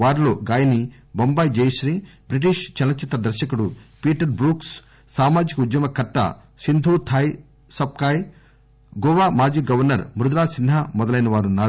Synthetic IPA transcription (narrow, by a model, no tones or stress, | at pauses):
ʋaːɾlo̞ːɡaːjɐni | bɐmbaːjd͡ʒejʃɾiːbɾiʈ̬iʃt͡ʃɐnɐt͡ʃːit̪ɐd̪ɐɾʃɐkuɽupiːʈɐɾbɾuːks | saːmaːd͡ʒikɐud̪jɐmɐkɐʈːɐ̰ | sind̪ʱuːt̪ʰaːj | sɐb̚kaːj | ɡɔːʋaːmaːd͡ʒiːɡɐʋɐɾnɐɾmɾud̪ɾaːsinɦɐmɔd̪ɐlɐjnɐʋaːɾunːaːɾu